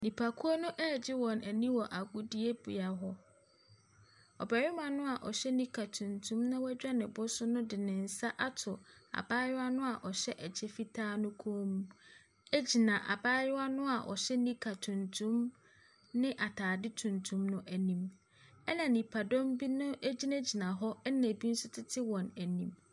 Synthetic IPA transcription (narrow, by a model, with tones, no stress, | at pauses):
nĩ˨pʰa˨kʰʊ˦ɔ˦nʊ̃˦ʔɛː˦˨d͡ʑɪ˦wɔ̃˨næ˨nĩ˦wɔ˨ʔa˨ɡʊ˦di˦e˦bʊ̰˨ja˨ɦɔ˦ | ɔ̰˨bɛ˨ɾɪ˦mã˨nʊ̃˦a˨ʔɔ̰˨ɕɛ˦nĩ˦kʰa˨tʰũ˨ntʰũ˦mnʊ̃˦wæ˦d͡ʑᶣa˦nɪ̃˨bʊ˦sʊ˦nʊ̃˦dɪ˨nɪ̃˨n̩˨sa˦ʔa˦tʰʊ˨a̰˨baː˦jɪ˦a˦nʊ̃˦a˨ʔɔ˨ɕɛ˦ʔɛ˨d͡ʑʰɛ˦fi˦tʰaː˦nʊ̃˦kʰo˦o˦mũ˦ | æ˦d͡ʑi˨nã˨ʔa̰˨baː˦ɾɪ˦wa˦nʊ̃˦a˨ʔɔ̰˨ɕɛ˦nĩ˦kʰa˨tʰũ˨ntʰũ˦m | nɪ̃˦ʔa˨tʰaː˨dɪ˦tʰũ˨ntʰũ˦mnʊ̃˦ʔæ˨nĩ˨m | ɛ˦nã˨nĩ˨pʰa˨dɔ̃˦mbi˦nʊ̃˦ʔe˦d͡ʑi˦nɛ˦d͡ʑi˨nã˨ɦɔ˦ɛ˦nã˨bi˦n̩˦sʊ˦tʰɪ˦tʰɪ˦wɔ̃˨næ˨nĩ˨m